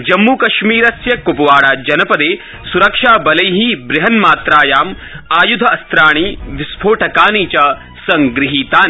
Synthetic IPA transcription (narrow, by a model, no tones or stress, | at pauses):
d͡ʒɐmːuːkɐʃmiːɾɐsjɐkupɐʋaːɽaːd͡ʒɐnɐpɐd̪eː | suɾɐkʂaːbɐlɐjɦibɾɪɦɐnmaːt̪ɾaːjaːm | aːjud̪ʱɐɐst̪ɾaːɳ̃iʋisbʰʱoːʈʰɐkaːniːt͡ʃɐ | sɐŋɡɾɪɦiːt̪aːn